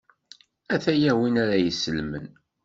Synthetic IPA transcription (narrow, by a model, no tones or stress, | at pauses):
æθæjæwinaɾæjəsːəlmən